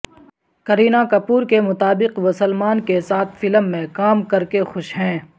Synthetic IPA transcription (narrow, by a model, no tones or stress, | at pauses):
kɐɾiːnakɐpuːɾkemʊt̪aːbɪqmʊsəlmaːnkesaːt̪ʰfɪləmːẽkaːmkɐɾkexʊʃɦɛ̃ː